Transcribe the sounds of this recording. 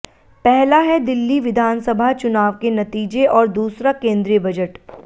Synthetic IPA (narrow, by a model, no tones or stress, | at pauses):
pɛɦlaɦɛd̪ɪlːiʋɪd̪ʱaːnsɐbʱat͡ʃʊnaːʋkenɐt̪iːd͡ʒeʔɔːɾd̪uːsɾakẽːnd̪ɾijəbɐd͡ʒəʈ